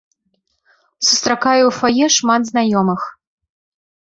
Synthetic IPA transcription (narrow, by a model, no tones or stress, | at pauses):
su̥st̪ɾakajɛwfɔjɛʂmad̪znajɔmɨx